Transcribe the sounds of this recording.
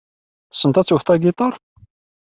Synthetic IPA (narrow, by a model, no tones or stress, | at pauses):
θə̥sːənt̪æt͡sːuft̪ɑɡit̪ˤɑɾˤ